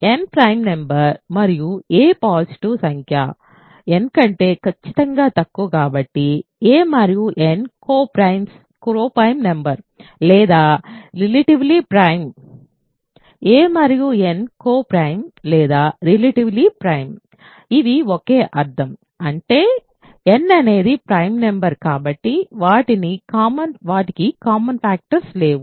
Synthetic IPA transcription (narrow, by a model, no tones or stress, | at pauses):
enpɾɐjmnembɐɾmɐɾijueːpaːsiʈusɐŋkʰja̰ː | enkɐɳʈe̞ːkɐt͡ʃːi̥t̪ɐŋɡaːt̪ɐkːukaːbɐʈːieːmɐɾijuʔenkoːpɾɐjms | kɾoːpɐjmnembɐɾ | lɛːd̪aːɾilɐʈiʋlipɾɐjm | eːmaːɾijũenkoːpɾɐjmleːd̪aːɾilɐʈiʋlipɾɐjm | iðiɔkeːʔɐɾd̪ɐm | ɐɳʈeː | ɛnːɐneːðipɾɐjmnɐmbɐɾkaːbɐʈːiʋaːʈinikaːmɐnʋaːʈikikaːmɐnfaːk̚ʈɐɾsleːʋu